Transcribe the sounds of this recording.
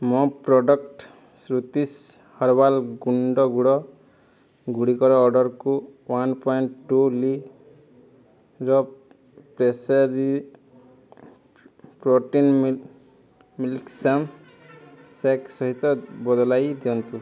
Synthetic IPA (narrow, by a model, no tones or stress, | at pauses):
mɔ̃pɾɔɖɔkʈ | sɾut̪is | hɔɾbalɡuɳɖɔɡuɽɔ | ɡuɽikɔɾɔːɾɖɔɾkuwanpɔjɳʈʈːuli | ɾɔ | pɾesaɾi | pɾoʈin | milksam | seksɔɦit̪ɔbɔd̪ɔlajd̪iɔnt̪u